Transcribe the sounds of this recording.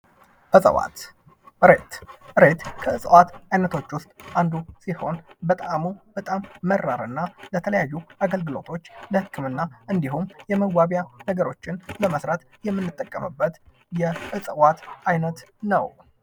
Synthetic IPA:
bəsʼə̰wa̰t̪ | ɾet̪ɨɾe̞t̪kʰəɨsʼəwat̪ajnət̪ʰo̞t͡ʃːwʊst̪ʼʔand̪usiho̞nbət̪ʼamub̥ət̪ʼamːərːaɾɨnːalət̪ʰələjajːuʔaɡəlɡɨlo̞̰t̪ʰo̞t͡ʃːləhɨkʰːɨmɨnːaʔɨnd̪iɦumjɛməɡʷaβjanəɡəɾo̞t͡ʃːɪnləməsɾat̪ | jɛmːɨnːɨt̪ʼːəkʼːə̰mɨbːət̪ | jɛʔɨsʼəwat̪ʔajnət̪nə̰w

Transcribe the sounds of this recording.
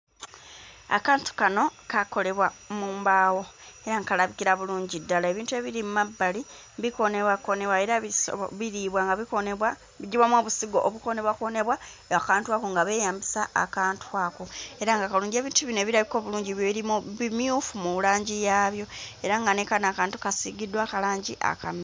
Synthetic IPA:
a̰kaːntu̥kano̞kako̞le̞βwamuːmbaːwo̞e̞ɾaŋkalaβikiɾaβuluːɲɟidːalae̞βiːntue̞βiɾimumabːali | biko̞neβwako̞ne̞βwaeɾasβiɾiːβwaŋɡaa | iɟiβwamwoːβusiɡo̞ʔoβuko̞ne̞βwako̞ne̞βwa | akaːntwako̞ŋɡaβe̞ːjaːmbisaa̰kaːntuaːkoe̞ɾaŋɡakaluːɲɟe̞ːβiːntuβinoeβiɾaβiko̞ːβuluːɲɟiβjeβiɾimuβimjuːfumulaːɲɟijaːβjo̞e̞ɾaŋɡanekanaːkaːntu̥kasiɡidːwaːkalaːɲɟiʔa̰kam

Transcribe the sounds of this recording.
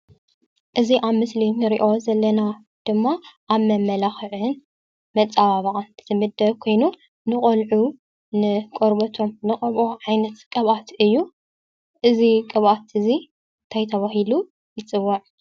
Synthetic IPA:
ʔɨziʔaβmɨslinɨɾḭʔo̞zɐlːɐna | d̪̥ɨmːaʔaβmɐmːɐlaxɨʕɨn | mɐt͡sʼaβaβɐʔʼanʰɨzɨmɨd̪ɐβkʰo̞jnu | nɨχʼolʕu | nɨkʼoɾbɐt̪ʰomnɨχʼɐβʔo̞ʕajnɐt̪kʼɐβat̪ɨjːu | ʔɨzikʼɐβʔat̪ɨzi | nt̪ʰajt̪ʰɐβaɦilu | jɪt͡sʼɨwːɐʕ

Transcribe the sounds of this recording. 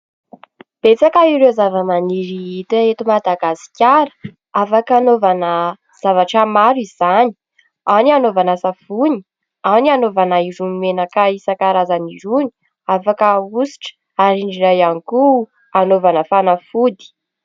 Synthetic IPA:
b̥et͡sakaiɾewzavəmaniɾiit̪aet̪umad̪aɡasi̥kʲaɾə̥ | afakanovanə | z̥avaʈ͡ʂəmaɾiz̥ani̥ | anianovanasafuni̥ | anianovanaiɾunimenakaisakaɾazaniɾuni̥ | afakəusi̥ʈ͡ʂə̥ | aɾiɳɖ͡ʐiɾajaniku | anovanəfanafud̪i̥

